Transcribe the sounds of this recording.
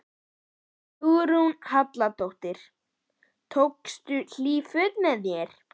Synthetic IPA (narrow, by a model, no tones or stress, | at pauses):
uːɾunhat̪lat̪owht̪ɪɾ̥ | t̪ʰowkst̪ʏl̥iːfʏt̪nɛðjɛɾ̥